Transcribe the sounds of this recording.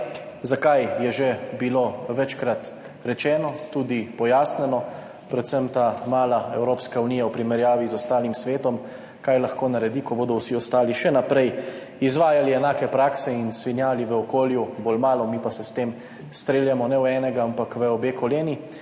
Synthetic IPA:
zakajjɛʒebiloʋɛt͡ʃkɾat̪ | ɾɛt͡ʃɛːnɔt̪uːd̪ipɔjaːsnɛnɔ | pɾɛt̪səmt̪amaːlaɛwɾoːpskauniːjawpɾimɛɾjaːʋizɔst̪aːlimsʋeːt̪ɔm | kajlaxkoːnaɾɛd̪ikɔboːd̪ɔwsiɔst̪aːliʃɛnapɾɛj | izʋaːjaliɛnaːkɛpɾaːksɛinsʋinjaːliʋəɔkoːljuboːlmaːlɔmipasɛst̪eːm | st̪ɾeːljamɔnɛwɛːnɛɡaampakʋəɔbeːkɔleːni

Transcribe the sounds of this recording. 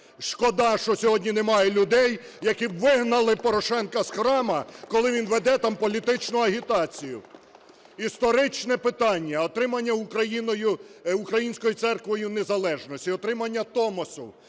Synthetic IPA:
ʃkɔd̪ɑʃt͡ʃɔsʲɔɦɔdʲnʲinemɑjɛlʲʊd̪ɛj | jɐkiʋɪɦnɐlˠɪpɔɾɔʃɛnkɐsxɾɑmɐkɔlˠɪʋʲinʋɛd̪ɛt̪ɑmpɔlʲit̪ɪt͡ʃnʊɐɦʲit̪ɑt͡sʲijʊ̰ | ist̪ɔɾɪt͡ʃnɛpɪt̪ɑnʲːɐɔt̪ɾɪmɐnʲːɐʊkɾɐjinɔjʊukɾɐjinʲsʲkɔjit̪sɛrkʋɔjʊnezɐlˠɛʒnɔsʲtʲiɔt̪ɾɪmɐnʲːɐt̪ɔmɔsʊ

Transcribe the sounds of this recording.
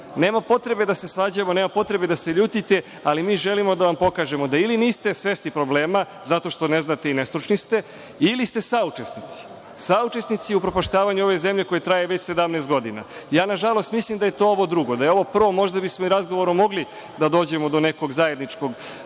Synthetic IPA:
ne̞ːmapo̞t̪ɾe̞be̞d̪ase̞sʋaːd͡ʑamo̞neːmapo̞t̪ɾe̞bed̪aseʎuːt̪it̪e̞ | alimiːʒelimo̞d̪aʋampo̞kaːʒe̞mo̞d̪ailiniːst̪e̞sʋe̞st̪ipɾo̞bleːma | zat̪o̞ʃt̪o̞ne̞znat̪eine̞st̪ɾut͡ʃnist̪e | ilist̪e̞sauʈ͡ʂesnit̪si̥ | saut͡ʃesnit̪siupɾopoʃt̪aːʋaɲuo̞ʋe̞zemʎe̞ko̞jet̪ɾaje̞ʋe̞t͡ɕse̞d̪amnest̪ɡo̞d̪ina̰jaːnaʒalˠo̞st̪mislimd̪aje̞t̪o̞ːoʋo̞d̪ɾuɡo̞d̪ajeo̞ʋo̞pr̩ʋo̞mo̞ʒd̪abismoiɾazɡoʋoɾomo̞ɡli | d̪ad̪o̞ːd͡ʑe̞mo̞d̪one̞ko̞ɡzaje̞d̪nit͡ʃko̞ɡ

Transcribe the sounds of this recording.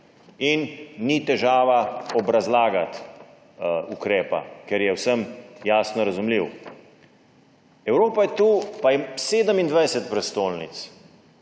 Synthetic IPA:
inːit̪ɛʒaːʋaɔbɾazlaːɡat̪ | ukɾɛːpa̰kɛɾjɛwsəmjaːsnɔɾazumliw | ɛwɾoːpajɛt̪uːpajɛseːd̪əmind̪ʋajsɛt̪̚pɾɛst̪oːlnḭt̪s

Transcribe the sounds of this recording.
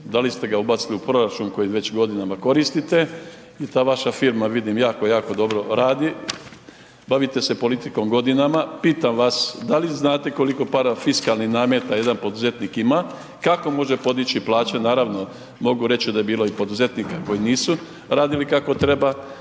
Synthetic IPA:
d̪alist̪e̞ɡaubat̪siliupɾo̞ɾat͡ʃuːnko̞jiʋe̞t͡ɕɡo̞d̪inamako̞ɾist̪it̪e̞ | jit̪aːʋaʃafiɾmaʋid̪imjaːkojaːko̞d̪o̞bɾo̞ɾaːd̪i | baʋit̪e̞se̞po̞lit̪iko̞mɡo̞d̪inamapiːt̪amʋasd̪aliznaːt̪e̞ko̞liko̞paːɾfiskalˠnihnaːmjet̪aje̞d̪anpo̞d̪uze̞t̪niːkima | kako̞mo̞ʒe̞po̞d̪it͡ɕiplˠaːt͡ɕenaːɾaʋno̞ | mo̞ɡuɾe̞t͡ɕid̪aje̞biːlo̞ipo̞d̪uze̞t̪niːkako̞jiniːsu | ɾaːd̪ilikako̞t̪ɾe̞ba

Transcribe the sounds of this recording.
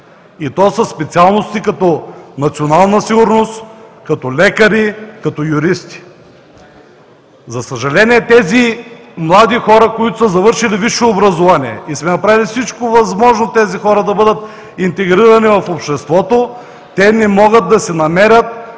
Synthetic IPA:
it̪ɔsɐspɛt̪sialˠnost̪ikɐt̪ɔnɐt̪sionalˠnɐsiɡuɾnost̪kɐt̪ɔlɛkɐɾikɐt̪ɔjuɾist̪i̥ | zɐsɐʒɐlɛniɛt̪ɛzi | mlˠad̪ixɔɾɐkoit̪osɐzɐvɤɾʃiliviʃoːbɾɐzovaniɛ̰ismɛnɐpɾavilifsit͡ʃkovɐzmɔʒnot̪ɛzixɔɾɐd̪ɐbɤd̪ət̪ | int̪ɛɡɾiɾɐnivɐfopʃt̪ɛst̪vɔt̪o | t̪ɛnɛmɔɡət̪̚d̪ɐsɛnɐmɛɾʲɐt̪̚

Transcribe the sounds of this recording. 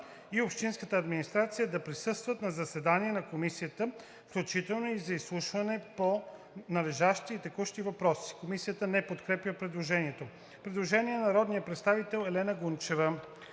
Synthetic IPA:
iopʃt̪inskət̪əɐd̪minist̪ɾat̪sijəd̪ɐpɾisɤst̪vət̪nɐzɐsɛd̪aniɛnɐkomisijət̪ə | fklʲut͡ʃit̪ɛlˠnoizɐislˠuʃvɐnɛpo | nɐvɛʒaʃt̪iːt̪ɛkuʃt̪ivɐpɾɔsi̥komisijət̪ənɛpot̪kɾɛpjəpɾɛd̪lˠoʒɛniɛt̪o | pɾɛd̪lˠoʒɛniɛnɐɾɔd̪nijəpɾɛt̪st̪avit̪ɛlˠɛlɛnəɡunt͡ʃɛvə

